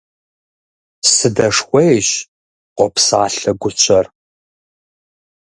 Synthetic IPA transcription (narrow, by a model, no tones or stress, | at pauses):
sɨdɐʂxʷejɕ | qʷɔpsaːɬɐɡʷʊt͡ɕʷʰɐr